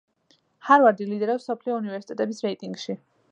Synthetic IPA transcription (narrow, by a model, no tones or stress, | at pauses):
haɾvaɾd̪ilid̪ɛɾɛsɔpʰliɔunivɛɾsi̥t̪ʼɛt̪ʼɛbisɾɛit̪ʼiŋɡʃi